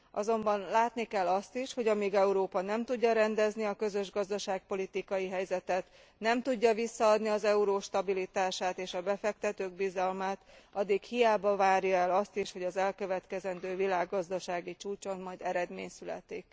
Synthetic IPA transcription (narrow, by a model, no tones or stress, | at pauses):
ʔɒzo̞mbɒnlaːt̪nikɛlːɒst̪iʃho̞ɟɒmiɡɛuɾoːpɒnɛmt̪uɟːɒɾɛnd̪ɛzniɒkø̞zø̞ʒɡɒzd̪ɒʃaːk̚po̞lit̪ikɒjiɦɛjzɛt̪ɛt̪ | nɛmt̪uɟːɒvisːɒɒd̪niɒzɛuɾoːʃt̪ɒbilit̪aːʃaːt̪eːʃɒbɛfɛk̚t̪ɛt̪øːɡbizɒlmaːt̪ɒd̪ːikhijaːbɒvaːɾjɒɛlɒst̪iʃho̞ɟɒzɛlkø̞vɛt̪kɛzɛnd̪øːvilaːɡːɒzd̪ɒʃaːɡit͡ʃuːt͡ʃo̞nmɒjd̪ɛɾɛd̪meːɲsylɛ̰t̪ik